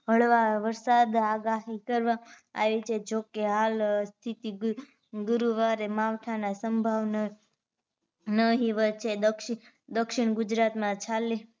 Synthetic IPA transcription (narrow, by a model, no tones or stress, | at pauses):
ɦəɭʋaʋəɾsad̪aɡaɦikəɾʋa | a̰ʋit͡ʃʰed͡ʒokeɦalst̪ʰit̪i | ɡuɾuʋaɾemaʋʈ̪ʰanasəmbʱaʋnə | nəɦiʋət̪̚t͡ʃʰed̪əkʃ | d̪əkʃɪɳɡud͡ʒɾat̪mãt͡ʃʰale